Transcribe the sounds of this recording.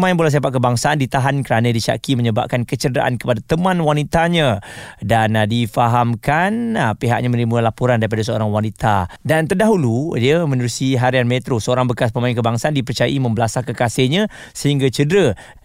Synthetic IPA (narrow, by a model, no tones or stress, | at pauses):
mãɪ̃nbolas̬apaʔ̪̚kəbaŋsaːndit̪aɦankəɾanãdiʃa̰kiməɲəba̰p̚kankət͡ʃədəɾa̰ʔa̰nkəpadat̪əmãnwanit̪aɲãdandifaɦamkanpiɦa̰ʔ̚ɲãmə̃ɾimualapuɾandaɾip̬adas̬əo̰ɾaŋwanit̪adant̪ərdaɦuludiəmə̃nəɾusiɦaɾianmet̪ɾosəoɾaŋbəkas̬pəmaɪnkəbaŋsaandipərt͡ʃaja̰ʔimə̃mbəlasakəkaseɲã | səɦiŋɡat͡ʃədɾə